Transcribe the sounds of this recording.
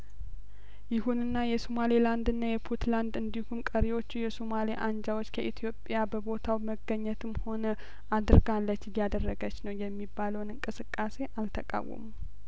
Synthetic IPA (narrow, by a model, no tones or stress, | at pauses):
jɪhunɨnːajɛsomaliland̪ɨnːajɛpʰut̪land̪ɨnd̪ihumkʼəɾiwo̞t͡ʃːujɛsomaliʔand͡ʒawo̞t͡ʃːkʰəʔit̪ʰijo̞pʼjabəbo̞t̪ʰawməɡəɲːɛt̪ʰɨmho̞nə | ad̪ɨɾɡalːət͡ʃːɪjjad̪ərːəɡət͡ʃːnəwjɛmːibːaləwnɨŋkʼɨsɨkʼːase̞ʔalt̪ʰəkʼa̰wːə̰mu